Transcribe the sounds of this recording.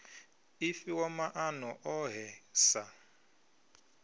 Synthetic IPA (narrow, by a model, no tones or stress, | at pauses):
ifiwɔmaʔanɔʔɔɦɛsa